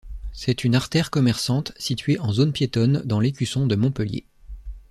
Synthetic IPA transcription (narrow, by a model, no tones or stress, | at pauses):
sɛt̪ynaʁt̪ɛʁkɔmɛʁsɑ̃t̪sit̪ɥeʔɑ̃zonpjet̪ɔnd̪ɑ̃lekʲysɔ̃d̪əmɔ̃pəljḛ